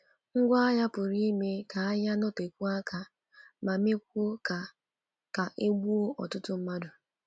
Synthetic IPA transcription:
ŋ̩˦ɡʷa˦a˦ja˦pʊ˨ɾi˦me˦ka˨a˦ja˦nɔ˦te˨kʷu˦a˦ka˨ | ma˨me˦k̚ʷo˦ka˨ | ka˨ʔe˦ɡ͡bu˦o˦ʔɔ̰˨tʊ˦tʊ˦m̩˦ma˦dʊ˨

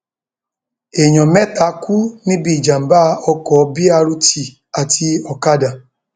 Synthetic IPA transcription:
e˨ɲɔ̃˨mɛ˦ta˨˦ku˦nĩ˦bi˦˨d͡ʒa˨m̩˨ba˦˧˦ɔ˧kɔ˨˦bi˦a˧ɾu˧ti˨ | a˨tʰi˧ɔ˨ka˦da˨

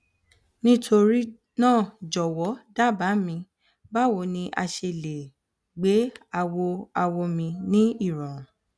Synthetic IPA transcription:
nĩ˦tʰo˧ɾi˦ | nãː˦˨d͡ʒɔ˨wɔ˨˦da˦˨ba˨˦mĩ˧ | ba˦˨wo˧nĩ˧ʔa˧ʃe˧le˨ | ɡ͡be˨˦a˧wo˧a˧wo˧mĩ˧nĩ˦i˦˨ɾã˨

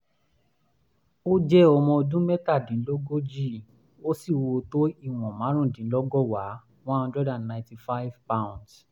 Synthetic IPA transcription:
o˦d͡ʒɛ˦ɔ˧mɔ̃˧o˧dũ˦mɛ˦ta˦˨dĩ˨˦lo˦ɡo˦d͡ʒi˦˨ | o˦si˦˨wo˧to˦i˦˨w̃ɔ̃˨mã˨˦ɾ̃ũ˦˨dĩ˨˦lɔ˦ɡɔ˦wa˨˦ | w̃ɔ̃˦ã˧dɾɛ˦dã˨nnã˨ti˨fa˦i˦vpa˦w̃nds

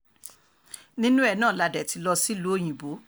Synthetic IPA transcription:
nĩ˦nũ˦ɛ˦˨nãː˦˨la˧dɛ˨ti˧lɔ˧si˦lo˦˨j̃ĩ˨bo˨˦

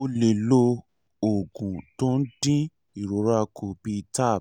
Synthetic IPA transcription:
o˧le˨lo˧ | o˨ɡũ˨tõ˦n̩˦dĩ˦ | i˨ɾo˨˦ɾa˦a˧kʰo˧bi˧ta˦˨

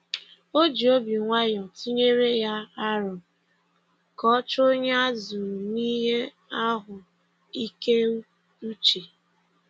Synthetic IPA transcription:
o˦d͡ʒi˨o˦bi˨ŋʷa˦jɔ˨tʰi˦ɲe˦ɾe˦ja˦a˦ɾɔ˨ | kɔ˦t͡ʃo˦ɲe˦a˦zu˨ɾni˦ɦe˦ | a˦ɦʊ˨ | i˦ke˦ | u˦t͡ʃe˨

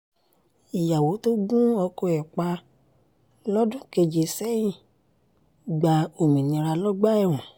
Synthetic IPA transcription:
i˨ja˨wo˨˦to˦ɡũ˦ɔ˧kɔ˧˨ɛ˨k͡pa˧ | lɔ˦dũ˦ke˧d͡ʒe˧˨sɛ˦jĩ˦˨ | ɡ͡ba˨o˨mĩ˨nĩ˧ɾa˧lɔ˦ɡ͡ba˦ɛ˦˨w̃ɔ̃˨

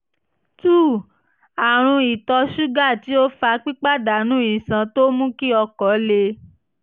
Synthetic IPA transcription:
tuː˦˨ | a˨ɾ̃ũ˧i˨tɔ˧ʃu˦ɡa˦˨ti˨˦o˦fa˧k͡pi˦k͡pa˦˨da˨nũ˦ĩ˨sã˧to˦mũ˦ki˦ɔ˧kɔ˨˦le˧

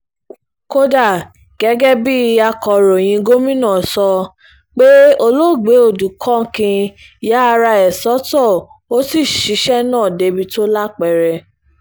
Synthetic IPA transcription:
ko˦da˦˨ | ɡ̥ɛ˨˦ɡɛ˦bi˦˧a˧kɔ˨ɾo˨j̃ĩ˧ɡo˦mĩ˦nãː˦˨sɔ˧ | k͡pe˦o˧lo˦˨ɡ͡be˨˦o˦˨du˨kʰɔ̃˦kĩ˧ | ja˦˧ɾa˧ɛ˨sɔ˨˦tɔ˦˨ | o˦si˦˨ʃi˨˦ʃɛ˦nãː˦˨de˨˧bi˧to˦la˦k͡pɛ˨ɾɛ˧

